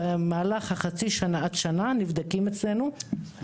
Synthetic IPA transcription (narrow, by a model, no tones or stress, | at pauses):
emaːlaχhaχat͡siʃanaat̪ʃananivd̪akimet͡sle̞nu